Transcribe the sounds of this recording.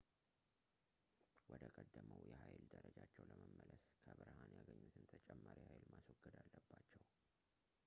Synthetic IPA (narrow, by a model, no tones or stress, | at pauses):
wɔd̪əkʼəd̪ːəməwjɛɦajld̪əɾəd͡ʒat͡ʃːɛwləməmːələskʰəβɨɾhanjaɡəɲːusɨnt̪ʰət͡ʃʼɛmːaɾihajlmaswɔɡːəd̪alːəbːat͡ʃːɛw